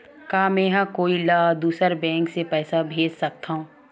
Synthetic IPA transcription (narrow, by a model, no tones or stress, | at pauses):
kaːmɛ̃ɦãkoːilaːd̪uːsəɾbɛ̃ːŋksepɛːsabʱeːd͡ʒsɐk̚t̪aɦũː